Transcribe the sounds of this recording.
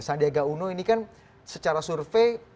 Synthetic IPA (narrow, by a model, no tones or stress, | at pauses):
sandiaɡaunoinikan | sət͡ʃaɾasurfej